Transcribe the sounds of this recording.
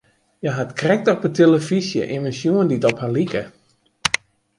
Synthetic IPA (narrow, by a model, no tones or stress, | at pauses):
jaɦatkrɛk̚tɔp̚ətʰeləfisjə̰ʔiməsjuənditɔphalikə